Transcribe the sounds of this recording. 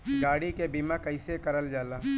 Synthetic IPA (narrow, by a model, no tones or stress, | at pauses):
ɡaːɽikebimãkɐɪsekɐɾəld͡ʒaːlaː